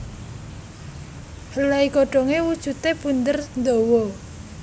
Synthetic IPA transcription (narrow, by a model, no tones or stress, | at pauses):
həlaiɡoɖ̥ɔ̤ŋewud̥ʒ̥ṳt̪ebund̪ərnd̪owɔ